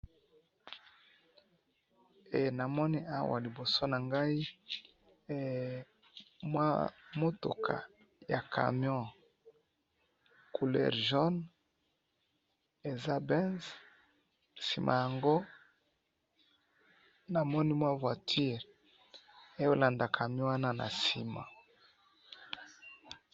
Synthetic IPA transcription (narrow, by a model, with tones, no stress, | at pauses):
e˨na˨mɔ˦ni˦ʔa˦wa̰˨li˨bo˨so˦na˨ŋɡa˦i˦ | mwa̰˦mo˦to̰˨kʰa̰˨ | ja˨kʰa̰˨mjɔ̃˦˨ | kʰu˨lɛ̰˨ʁʒɔ˦n | e˨za˦bɛ˦nz | si˨mʔa̰˨ja˨ŋɡo˦ | na˨mɔ˦ni˦mwa˦vwa˨tʰi˦ʁ | e˦jo˦la˨nda˨kʰa˨mjɔ̃˦wa˦na˦na̰˨si˨ma̰˨